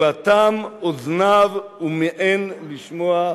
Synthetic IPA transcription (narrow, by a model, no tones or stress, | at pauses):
at̪amoznavumeʔenliʃmoa